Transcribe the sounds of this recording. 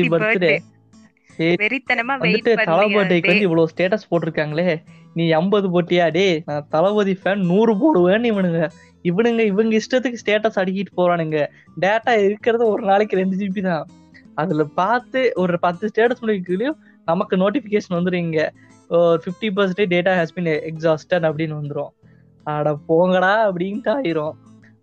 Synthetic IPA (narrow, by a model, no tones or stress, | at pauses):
ipɐɾt̪ːɯɾe | e | ʋɐnd̪ɯʈːɯɐlɐpɐʈ̬ːɐkːɯʋɐnd̪ɯɪʋːɐɭoːsʈeːʈɐspoːʈːɪɾɯkːaːŋɡɐleː | nĩːɛmbɐðɯp̬oːʈːɪjaːɽenãːt̪ɐlɐʋɐðifɐnnuːɾɯp̬oːɽɯʋeːnɯɪʋɐɳɯŋɡɐ | ɪʋɐɳɯŋɡɐɪʋɐŋɡɐɪsʈɐt̪ːɯkːɯsʈeːʈːɐsɐɽɪk̬ːɪʈːɯ̥poːɾãːnɪŋɡɐ | ɖeːʈːaːɪɾɯkːɪɾɐðɯɔɾɯnaːɭɪkːɯɾɛɳɖɯt̪ip̬it̪ãː | ɐðɪlpaːɾt̪ɯɔɾɯpɐt̪ːɯsʈeːʈɐsmʊnːɐɪk̬ːɯlɪjʊ̃ | nɐmɐkːɯnoːʈ̬ɪfɪkeːʂɐnʋɐnd̪ɯɾɯɪːŋɡɐ | ɔɾɯfɪfʈip̬ɐɾs̬ɐɳʈeɖeːʈaːɦɛːsbinɛksaːsʈɐɳɖɐp̬ːɐɽɪnːɯʋɐnd̪ɯɾõː | ɐɽɐpoːŋɡɐɽaːɐpɐɽɪnʈːaːjɪɾõː